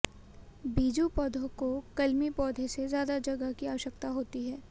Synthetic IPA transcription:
biːd͡ʒupɔːd̪ʱõkokɐlmipɔːd̪ʱesezjaːd̪ad͡ʒɐɡəkiaːʋəʃək̚t̪aɦoːt̪iɦɛː

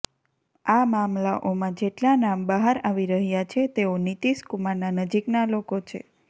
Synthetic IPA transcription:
amamlaʔomãd͡ʒeʈlanambəɦaɾaʋiɾəɦjat͡ʃʰet̪eonit̪iʃkumananəd͡ʒiknalokot͡ʃʰḛ

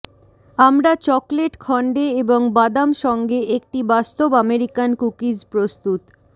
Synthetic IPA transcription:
amɾat͡ɕɔkleʈkʰɔɳɖeeboŋbad̪amʃɔŋɡeʔek̚ʈibast̪obameɾikankukid͡ʑpɾost̪ut̪

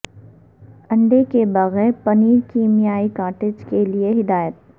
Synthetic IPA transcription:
ɐ̃ɳɖekebɐɣɛːɾpɐniːkiːmijaːikaːɾʈed͡ʒkelieɦɪd̪aːjət̪̚

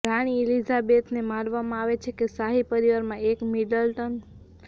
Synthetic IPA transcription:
ɾaɽ̃iilizabet̪nemaɾʋamãaʋet͡ʃʰekesaɦipəɾiʋaɾmãekmiɖəlʈən

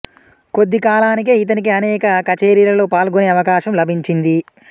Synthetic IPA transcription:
ko̞d̪ːikaːlaːnik̬eːit̪ɐnik̬iɐnɛːkɐkɐt͡ʃeːɾiːɾɐlo̞ːpaːlɡoneːɐʋɐkaːʃɐmlɐbʱiɲt͡ʃind̪i

